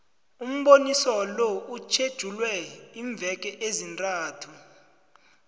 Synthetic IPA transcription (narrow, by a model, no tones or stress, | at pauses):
um̩ɓonisɔlɔut͡ʃʰed̥ʒ̥ʱulwɛiɱb̪vʱɛk̬ʼɛʔezintʼaːtʰu